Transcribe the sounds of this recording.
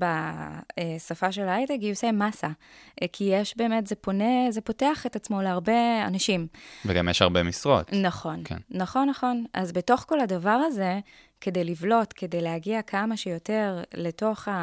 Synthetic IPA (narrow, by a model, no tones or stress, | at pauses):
ba | esafaʃe̞lajteɡiosemasakʰijeʃbe̞ːme̞tzepo̞neze̞po̞teaχetat͡smo̞leaʁbe̞a̰naʃimveɡa̰mjeʃaʁbemisʁo̞̰t̪naχo̞nkʰḛnːaχo̞nːaχo̞na̰zbe̞to̞χko̞ladavaʁaze̞ | ke̞dejlivlo̞tke̞dejlehaɡiakʰamaʃejo̞te̞ʁle̞to̞χa